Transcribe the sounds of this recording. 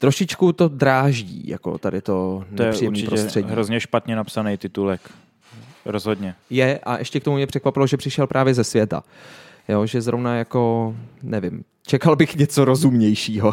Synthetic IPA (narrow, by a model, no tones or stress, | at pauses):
t̪ɾoʃɪt͡ʃkut̪o̞dɾaːʒɟḭːja̰ko̞̰t̪adɪt̪onɛjɛrijɛmnit͡ʃɪpɾoɛstr̥ɛɟiɦɾozɲɛʃpat̪ɲɛnapsanɛjt̪ɪt̪ulɛk | ɾozɦod̪ɲɛjɛʔaʔɛʃcɛkt̪omumɲɛpr̥ɛkvapɪloʒɛpr̥ɪʃɛlpɾʔaːvjɛzɛsvjɛt̪a̰ | joːʒɛzɾovnajako̞nɛvɪm | t͡ʃɛkalbɪxɲɛt͡so̞ɾozumɲɛjʃiːɦo